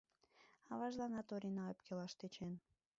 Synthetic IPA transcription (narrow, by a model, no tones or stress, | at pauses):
ɑβɑʒlɑnɑt̪oɾʲinɑepkʲelɑʃt̪et͡ɕen